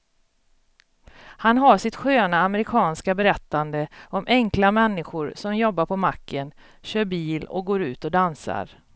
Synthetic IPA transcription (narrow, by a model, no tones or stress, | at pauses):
hanɦaʂɪt̪ɧøːnaːməɾɪkʰɑːnskabɛɾɛt̪ːand̪əɔmʔɛŋklamɛnːɪɧʊɾsɔmjɔbːaɾpʰɔmakːən | ɕøːɾbiːlɔ̰k̚ɡoːɾʉ̟ːt̪ɔd̪ansa̰ɾ